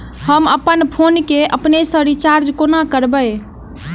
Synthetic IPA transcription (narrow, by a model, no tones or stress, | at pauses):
həməpənpʰonkeʔəpnesə̃ɾit͡ʃaɾd͡ʒkonakəɾbəj